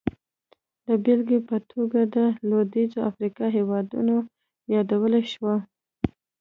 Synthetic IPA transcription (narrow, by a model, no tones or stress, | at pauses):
d̪əbelɡepət̪ʰoɡad̪əlod̪izoafɾikɑɦewɑd̪ṵno | jɑd̪awəlaʃwa